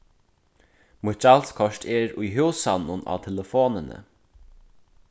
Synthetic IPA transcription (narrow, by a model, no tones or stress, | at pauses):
mʊt͡ʃalskʰɔʃtʰɛɾujɦuːsanʊna̰ːt̪ʰɛləfoːnənə̰